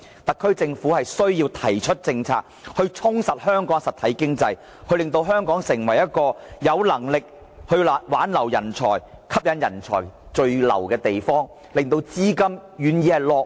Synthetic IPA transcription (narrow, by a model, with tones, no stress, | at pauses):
t̪ɐ˨kʰːɵ˥ɥt͡sɪ˧ŋfuː˨˥hɐ˨jsɵ˥ɥjiː˧wt̪ʰɐ˨˩jt͡ʃʰɵ˥t̚t͡sɪ˧ŋt͡sʰa̰ː˧k̚hɵ˧ɥt͡sʰʊ˥ŋsɐ˨t̚hœː˥ŋkɔː˨˥ŋsɐ˨t̪ʰɐ˨˥jkɪ˥ŋt͡sɐ˧j | kʰɵ˧lɪ˨˧ŋt̪o˧wɦœː˥ŋkɔː˨˥ŋsɪ˨˩ŋwɐ˨˩jɐ˥t̚kɔː˧jɐ˨˧wlɐ˨˩ŋlɪ˨k̚ | hɵ˧lːwaː˨˥nlɐ˨˩wjɐ˨˩nt͡ʃʰɔ̰ː˨˩jkʰɐ˥p̚jɐ˨˥njɐ˨˩nt͡ʃʰɔ̰ː˨˩jt͡ʃɵ˧ɥlɐ̰˨˩wkɛː˧t̪e˨jfɔː˥ŋ | lɪ˨ŋt̪o˧wt͡siː˥kɐ˥mjyː˨˧njiː˨˧hɐ˨jlɔː˨˧k